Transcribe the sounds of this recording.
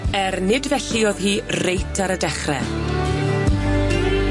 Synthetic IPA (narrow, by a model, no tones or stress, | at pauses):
ɛrnɪdvɛɬiɔðhiːrejtʰaɾədɛχrɛ̰